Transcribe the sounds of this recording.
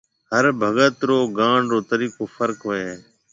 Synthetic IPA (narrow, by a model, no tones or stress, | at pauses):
ɦəɾbʱəɡət̪ɾoːɡãːɳɾoːt̪əɾiːkoːfʰəɾkɦoːeː